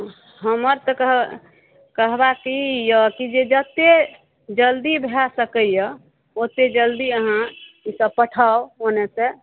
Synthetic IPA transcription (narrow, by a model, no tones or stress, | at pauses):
ɦəməɾt̪ɔkəɦ | kəɦbakijəkid͡ʒed͡ʒət̪e | d͡ʒəld̪ibʱasəkəjə | ot̪ed͡ʒəld̪iəɦãisəb̚pəʈʰaoonese